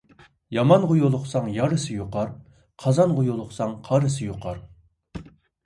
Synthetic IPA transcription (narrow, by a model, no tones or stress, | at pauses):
jɑmɑnʁʊjolˠʊqsɑŋjɑɾɨsɨjoqɑɾ | qʰɑzɑnʁʊjolˠʊχsɑŋqʰɑɾɨsɨjoqʰɑɾ